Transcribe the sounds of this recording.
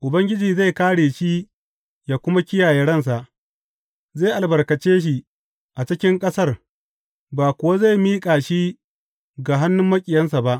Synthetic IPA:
ʔʊ˨bɐ˦ŋɡʲɪ˦d͡ʒiː˨za˦˨jkaː˦ɽeː˨ʃi˦ | jaː˨kʷʊ˦ma˦kʲɪ˦jaː˨jɛ˦ɽɐ˦˨ns̬a˨ʔ | za˦˨ʔa˨lbɐ˨rkɐ˨t͡ʃeː˦ʃ̬i˨ | ʔa˨t͡ʃɪ˦kʲɪ˦ŋkʼɐ˦sɐ˦˨r | baː˨kʷʊ˨wa˦za˦˨jmiː˦kʼaː˨ʃi˦ | ɡa˨ɦa˦nːʊ˦mːɐ˦kʲʼɪ˨jɐ˦ns̬a˨ba˦ʔ

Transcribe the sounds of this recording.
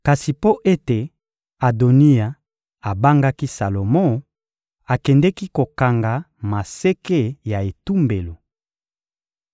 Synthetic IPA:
ka˨si˨po˦ʔe˦te˨ | a˨do˨ni˦a˨ | a˨ba˦ŋɡa˦ki˦sa˨lo˨mɔ̃˦˨ | a˨kɛ˨ndɛ˦ki˦ko˨ka˨ŋɡa˨ | ma˨se˦ke˦ja˨e˨tu˦mbe˨lo˨

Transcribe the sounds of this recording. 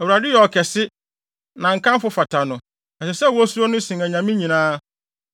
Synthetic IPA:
æ˨wu˨ɾa˨dɪ˦jɛ˨ɔ˨kʰɛ˨sɪ˦ | nã˨ŋ̩˨kʰã˦m˦fʊ˦fa˨tʰa˨nʊ̃˨ | ɛ˨sɛ˨sɛ˦˨wɔ˦su˦ɾo˦nʊ̃˦sɪ̃˨ŋæ̃˨ɲã˨mĩ˦ɲĩ˨nãː˦

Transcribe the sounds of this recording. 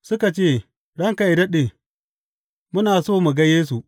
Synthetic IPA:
sʊ˦ka˨t͡ʃeː˦˨ | ɽɐ˦ŋka˨ɪ˨dɐ˦ɗe˨ | mʊ˦naː˨soː˦˨mu˨ɡɐ˦jeː˦s̬u˨ʔ

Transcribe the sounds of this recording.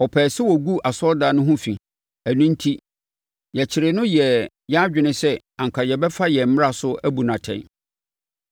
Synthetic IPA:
ɔ˨pʰɛː˨sɪ˦wɔ˨ɡu˦ʔa˨sɔ˦daː˨˦nʊ̃˦ɦʊ̃˦fĩ˨ | æ˨nũ˦n̩˦tʰi˦ | jɛ˨t͡ɕʰɪ˨ɾɪ˨nʊ̃˦jɛ˨ | jɛ˦a˦d͡ʑᶣɪ˨nɪ̃˦sɛ˦ | ã˨ŋ˨kʰa˨jɛ˨bɛ˦fa˦jɛ˨m̩˦mɪ̃˦a˦˨sʊ˦ʔæ˦bu˨nã˨tʰɛ̰̃˨˦

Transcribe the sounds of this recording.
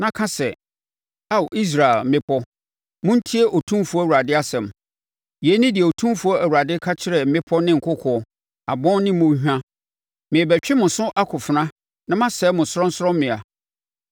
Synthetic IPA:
nã˦kʰã˦sɛ˨ | a˦˨wʔi˦s̬ɾa˨e˨lm̩˨mɪ̃˦pʰɔ˦ | mʊ̃˦n̩˦tʰi˦e˦ʔo˨tʰũ˦fu˦ɔ˦˨u˨ɾa˨dɪ˦a˦sɛ̃˨m | jɛ˨˦nɪ̃˦dɪ˨ɛ˨o˨tʰũ˦mfu˦ɔ˦ʔæ˨wu˨ɾa˨dɪ˦kʰa˦t͡ɕʰɪ˦ɾɛ˨m̩˦mɪ̃˦pʰɔ˦nɪ̃˦ŋ̩˨kʰʊ˦kʰɔ˨ | a̰˨bɔ̃˦nnɪ̃˦mʊ̃˦hᶣã˦ | mɪ̃˨bæ˨t͡ɕᶣɪ˦mʊ̃˨sʊ̃˦ʔa˦kʰʊ˨fɪ˨nã˦ | nã˦mã˦sɛː˦mʊ̃˨sɾɔ̃˦n˦sʊ˦ɾɔ̃˦mmɪ̃˨a˨

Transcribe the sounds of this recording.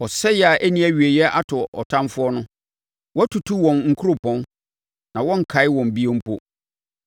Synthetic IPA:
ɔ˨sɛ˦jɛ˨a˨ʔæ˦nĩ˦æ˨ɥi˨e˨jɛ˦ʔa˦tʰʊ˨ɔ˨tʰã˦mfʊ˦ɔ˦nʊ̃˦ | wɔ˦æ˦tʰu˨tʰu˦wɔ̃˨nŋ̩˨kʰu˦ɾo˨pʰɔ̃˦n | nã˨wɔ̃˦ŋ̩˨kʰa˨˦ɪ˦wɔ̃˨m˨bi˦ẽ˦m̩˦pʰo˦

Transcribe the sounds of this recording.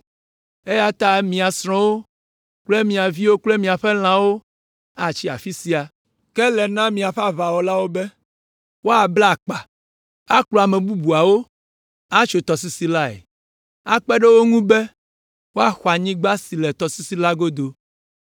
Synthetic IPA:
e˦ja˦t̪a˦˨mĩ˨a˨sɾ̃ɔ̃˦wo˦ | k͡ple˦mĩ˨a˨vi˦wo˦k͡ple˦mĩ˨a˨ɸe˦l̃ã˨wo˦ | a˨t͡ɕi˦a̰˨fi˦si˦a˨ | kɛ˦lɛ˨nã˦mĩ˨a˨ɸa˨va˨wɔ˨la˦wo˦be˦ | wo˦a˨bla˦˨k͡pa˨ | a˦klo˨a˨mɛ˨bu˦bu˨a˨wo˦ | a˦t͡ʃo˨t̪ɔ˨si˦si˨la˦ɛ̰˨ | a˦k͡pɛ˦ɖe˦wo˦ŋũ˦be˦ | wo˦a˨xa˨ɲĩ˦ɡ͡ba˦si˨le˨t̪ɔ˨si˦si˦la˦ɡo˦d̪o˨

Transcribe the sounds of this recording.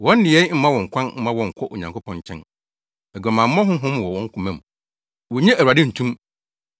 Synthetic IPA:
wɔ̃˨˦n˦dɪ˨ɛ˨˦m̩˦mã˦wɔ̃˨ŋ̩˨kʷʰã˦nm̩˦mã˦wɔ̃˨ŋ̩˨kʷʰɔ˦ʔo˨ɲã˨ŋkʰo˦pʰɔ̃˦ɲ˨t͡ɕʰɛ̰̃˦n | ɛ˨ɡa˨mã˨m̩˦ɔ̃˦ɦʊ̃˦ɦʊ̃˦m˨wɔ˨wɔ̃˦ŋ̩˦kʰũ˨mɛ̃˨m | wɔ˨ɲɛ̃˦ʔæ˨a˨dɪ˦n̩˨tʰũ˦m

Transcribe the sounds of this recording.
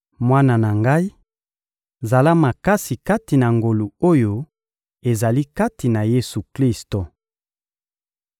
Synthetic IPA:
mwa˦na˨na˨ŋɡa˦i˦ | za˨la˦ma˨ka˦si˨ka˦ti˨na˨ŋɡo˨lu˨o˦jo˨ | e˨za˨li˦ka˦ti˨na˨je˦su˨kli˦sto˨

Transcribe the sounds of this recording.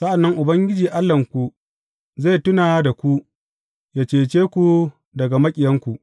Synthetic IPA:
sa˦ʔa˨nːɐ˦ŋʔʊ˨bɐ˦ŋɡʲɪ˦d͡ʒiː˨ʔa˦lːɐ˨ŋkʷu˨ | za˦˨tʊ˦naː˨da˨kʷu˦ | jaː˨t͡ʃeː˨t͡ʃeː˦kʷu˨ | dɐ˨ɡa˨mɐ˦kʲʼɪ˨jɐ˦ŋkʷu˨ʔ

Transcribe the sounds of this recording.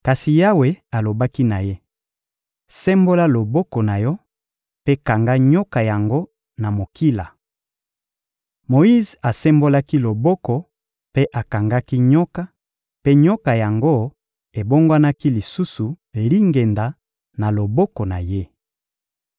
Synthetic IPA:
ka˨si˨ja˦we˨a˨lo˨ba˦ki˦na˨je˦ | sɛ˦mbo˦la˦lo˨bɔ˦kɔ˨na˨jɔ˦ | pe˦ka˨ŋɡa˦ɲɔ˦ka˨ja˨ŋɡo˦ | na˨mo˨ki˦la˨ | mo˨i˦za˨sɛ˦mbo˦la˦ki˦lo˨bɔ˦kɔ˨ | pe˦ʔa˨ka˨ŋɡa˦ki˦ɲɔ˦ka˦ | pe˦ɲɔ˦ka˨ja˨ŋɡo˦ | e˨bo˦ŋɡwa˦na˦ki˦li˨su˦su˨ | li˦ŋɡe˨nda˨ | na˨lo˨bɔ˦kɔ˨na˨je˦

